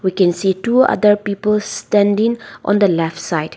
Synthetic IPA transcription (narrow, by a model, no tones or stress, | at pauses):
wikɛ̃nsitua̰d̪əɹpipəlstɛ̃ndɪ̃ŋʔɔ̰̃nd̪əlɛftsaɪt